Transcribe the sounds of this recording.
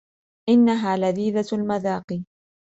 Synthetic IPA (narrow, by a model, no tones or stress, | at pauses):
ʔɪnːaɦaːlaðiːðalmaðaːqiː